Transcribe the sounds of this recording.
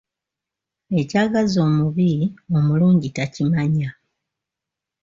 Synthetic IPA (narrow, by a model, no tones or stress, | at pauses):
e̞caːɡazo̞ːmuβio̞muluːɲɟitacimaɲa